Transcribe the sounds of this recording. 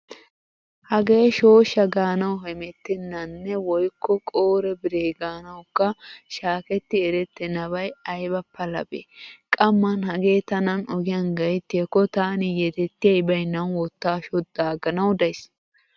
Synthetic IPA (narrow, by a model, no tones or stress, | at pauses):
hɐɡe̞ːʃo̞ːʃɐɡaːnɐwɦɛmɛt̪ːɪnːɐnːɛwɔjkʰːɔkʼoːɾɛbɪɾeːɡaːnɐwkːɐʃaːkɛt̪ːɪɛɾɛt̪ːɛnɐβɐjɐjbɐpʰːɐlɐ̰bḛːkʼɐmːɐnhɐɡe̞ːt̪ɐnɐnɔɡɪjɐnɡɐjt̪ːɪɐkːɔt̪aːnɪjɛt̪ɛt̪ːɪjɐjbɐjnːɐwwɔt̪ːaːʃɔd̪aːɡɐnɐwd̪ɐjs